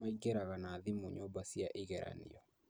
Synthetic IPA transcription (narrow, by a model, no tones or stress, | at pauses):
aiɡeɾaɣanaðimoɲɔbasiaʔiɣɛɾa̰nḭɔ